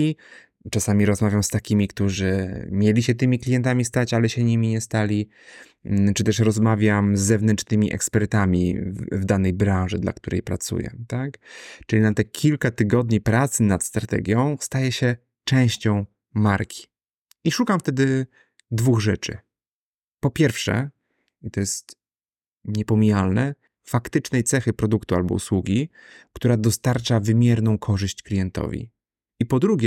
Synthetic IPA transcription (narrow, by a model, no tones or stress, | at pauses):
i | t͡ʂasamʲiɾɔzmavʲjamst̪akʲimʲikt̪uʐɘmʲjelʲiɕɛt̪ɘmʲiklʲijɛnt̪̬amʲist̪at͡ɕalɛɕɛɲimʲiɲɛst̪alʲi | t͡ʂɨt̪ɛʂɾɔzmavʲjamzːɛvnɛnt͡ʂnɘmʲiʔɛ̰kspɛɾt̪amʲḭvd̪anɛjbɾãʐɨd̪la̰k̚t̪uɾɛ̰jpɾa̰t̪sṵjɛ̰t̪akt͡ʂɘlʲinat̪ɛkʲʰilkat̪ɘɡɔd̪ɲipɾat̪sɘnat̪st̪ɾat̪ɛ̰ɡʲjɔ̃w̃st̪ajɛɕɛ | t͡ʂɛ̃w̃ɕt͡ɕɔ̃w̃ | maɾkʲʰi̥ | iʂukamft̪ɛd̪ɘ | d̪vuɣʐɛt͡ʂɘ̰ | pɔpʲjɛɾfʂɛ̰ | it̪ɔjɛst̪ | ɲɛpɔmʲijalnɛ | fakt̪ɘt͡ʂnɛjt̪sɛxɘpɾɔd̪ukt̪ua̰lbɔ̰ṵswuɡʲi | kt̪uɾad̪ɔst̪aɾt͡ʂavɘmʲjɛɾnɔ̃w̃kʰɔʐɘɕt͡ɕklʲijɛnt̪ɔ̰vʲḭ | ipɔd̪ɾuɡʲɛ